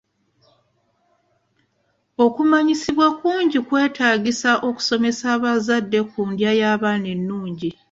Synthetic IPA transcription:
o̞kumaɲisiβwakuːɲɟikwe̞ːtʰaːɟisaʔo̞ku̥so̞me̞saːβazadːe̞kuːndjajaːβaːnenːuːɲɟi

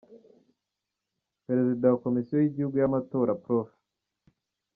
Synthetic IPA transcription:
peɾe̞zidawako̞misijojiɟihuɡujamato̞ːɾapɾof

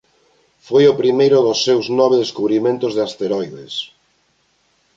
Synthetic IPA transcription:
fojʊpɾimejɾʊðʊsːewznɔβ̞eðeskuβɾimẽnt̪ʊzðeast̪eɾɔjðḛs

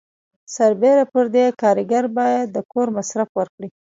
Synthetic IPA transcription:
saɾbeɾapəɾd̪ekɑɾɪɡaɾbɑjad̪ːəkoɾmasɾafwəɾkɽi

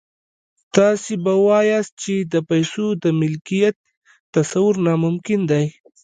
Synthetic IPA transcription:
t̪ɑsibawɑjɑst̪̚t͡ʃed̪əpajsod̪əmɪlkijat̪ː | asawʊɾnɑmʊmkɪnd̪aj

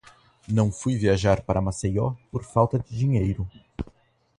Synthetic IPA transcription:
nɐ̃w̃fujviaʒaɾpaɾɐmasejɔpoɾfawt̪ɐd͡ʒɪd͡ʒiɲejɾʊ

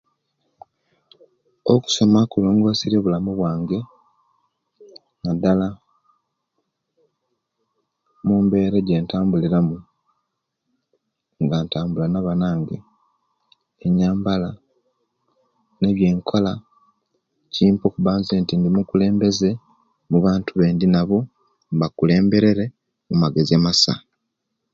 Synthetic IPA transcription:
oku̥so̞makulo̞ːŋɡo̞siɾe̞βulamuβwaːŋɡe̞ | nadala | mumbe̞ːɾeɟe̞ːntaːmbuliɾamu | ŋɡantaːmbulanaβanaːŋɡḛ | eɲaːmbala | ne̞βje̞ːŋkʰola | ciːmpo̞kuβaːnzeːntindimukule̞ːmbe̞ze̞ | muβaːntuβe̞ːndinaβo̞ | βakule̞ːmbe̞ɾe̞ɾe̞ | mumaɡe̞zemasa̰

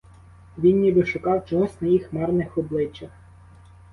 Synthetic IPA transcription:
ʋʲinːʲibɪʃʊkɑwt͡ʃɔɦɔsnɐjixmɛrnɪxɔblˠɪt͡ʃːɐx

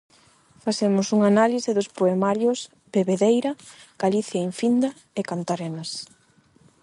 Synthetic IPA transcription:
faθemʊsuŋanalisɪðʊspoemaɾjʊs | beβeðejɾɐɡ̥aliθjaiɱfind̪ɐ | ekant̪aɾenɐs

